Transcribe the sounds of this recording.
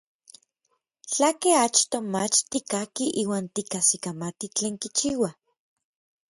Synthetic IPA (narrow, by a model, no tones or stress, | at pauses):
t͡ɬakeat͡ʃt̪omat͡ʃt̪ikakiʔiːwaːnt̪ikasikamat̪it͡ɬeːŋkit͡ʃiːwa